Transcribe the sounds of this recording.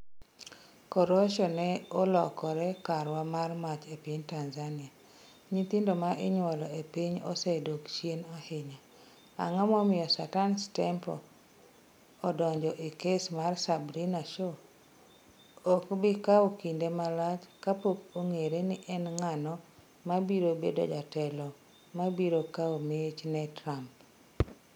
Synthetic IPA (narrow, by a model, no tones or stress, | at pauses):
kɔɾoʃɔnɛolɔkɔɾɛkaɾwamarmat͡ʃepiɲtanzanɪa | ɲit̪indomaʔɪɲwɔlɔepiɲɔ̰sedokt͡ʃjenɔhɪɲa | a̰ŋɔmɔmɪɔsa̰tanstɛmpɔ̰ | dɔɲd͡ʒɔʔɪkesmarsabɾinaʃo | okbɪkawokindemalat͡ʃkapokoŋeɾenɪʔɛnŋanɔ | mabiɾobḛdo̰d͡ʒatɛlɔ | mabiɾokaomet͡ʃnɛtɾamp